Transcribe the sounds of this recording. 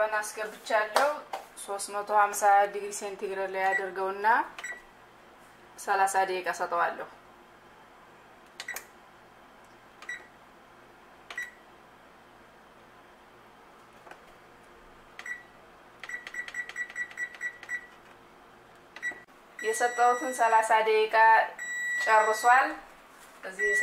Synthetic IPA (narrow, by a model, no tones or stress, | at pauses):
ənaskəbɨt͡ʃːalːəhuso̞st̪mət̪ʰo̞hamsaad̪ɨɡsent̪ʰiɡɾəɾlajad̪əɾɡəwɨnːa | səlasad̪ijɛkʼəsət̪ʼəwalːəhu | jɛsət̪ʼːəwt̪ʰɨnsɐlasad̪ɛʔkʼa | t͡ʃʼərːɨsal | ʔɨzːih